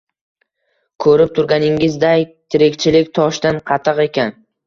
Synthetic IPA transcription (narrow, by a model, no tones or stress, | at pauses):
kʰɵɾɪp̚t̪ʰʊɾɡʲanɪŋɪzd̪ajt̪ʰɪɾɪkʲt͡ʃʰɪlɪkʲt̪ʰɒʃd̪anqʰɑt̪ʰɨqe̞kʲan